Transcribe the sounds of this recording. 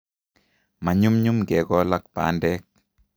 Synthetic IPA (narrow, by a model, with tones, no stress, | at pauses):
ma˨ɲu˦mɲu˦mɡɛ˨ɡɔ˦la˦k̚pa̰˨˦ndɛ˦k̚